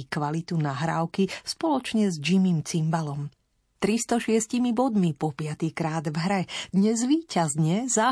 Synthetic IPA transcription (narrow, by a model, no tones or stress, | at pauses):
kʋalit̪unaɦɾa̰ːʊkispɔlɔt͡ʃɲɛzd͡ʒimiːmt͡simbalɔm | t̪ɾist̪ɔʃɪɛscimibɔd̪mipɔpɪat̪ikɾaːd̪vɦɾɛd̪ɲɛzʋiːcazɲɛza